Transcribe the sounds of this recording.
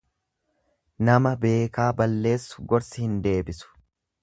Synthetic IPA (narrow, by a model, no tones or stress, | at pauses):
nɐmɐbe̞ːkaːbɐlːe̞ːsːʊ̥ɡɔɾsɪhɪnd̪e̞ːbɪsʊ̥